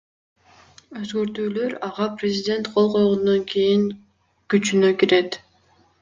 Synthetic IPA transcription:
ø̞zɡøɾt̪yːlø̞ɾɑʁɑprʲɪzʲɪd̪ʲe̞nt̪qʰo̞lˠqʰo̞jʁond̪oŋkejiŋ | kyt͡ʃynøkʲiɾe̞t̪

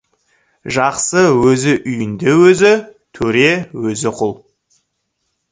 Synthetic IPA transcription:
ʒɑqsəwɵzɪʔʏjɪnd̪e̞wɵzɪt̪ʰɵɾe̞wɵzɪqʰʊlˠ

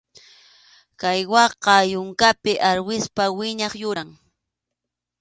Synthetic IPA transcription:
kajwɑqɑjʊŋkapɪʔaɾwɪspawɪɲɑχjʊɾaŋ

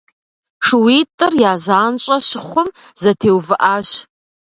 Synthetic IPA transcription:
ʂɨwitʼɨrjaːzaːnt͡ʃʷʼaʃɪχʷʊm | zɐtʰeːwvɨʔaʃ

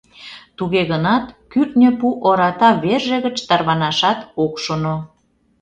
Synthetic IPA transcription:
t̪uɣeɣənɑt̪kytnʲĕpuʔoɾɑt̪ɑβerʒĕɣə̆t͡ɕt̪ɑrβɑnɑʃɑt̪okʃono

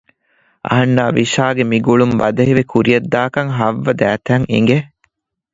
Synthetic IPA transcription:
ʔɐ̰ɦɐnːaːʋiʃaːɡemiɡuɭumbɐd̪ɐɦiʋekʰuɾiɐd̪ːaːkɐŋɦɐʋːɐd̪æːt̪æŋḭŋɡe

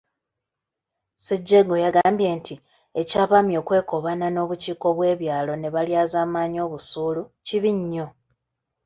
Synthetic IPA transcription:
seɟːeɡo̞jaɡaːmbje̞ːntʰi | ecaːβamjo̞ːkwe̞ːko̞βanano̞ːβuciːko̞βwe̞ːβjaːlo̞ne̞βaljaːzaːmaːɲo̞ːβusuːluciβiɲːo̞

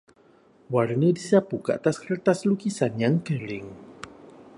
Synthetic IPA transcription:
warnədisapukəa̰t̪askərt̪aslukisanjaŋkəɾɪŋ

